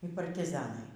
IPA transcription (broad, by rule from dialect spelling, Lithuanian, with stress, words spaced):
iː pɐrʲtʲɪˈzɑːnɐɪ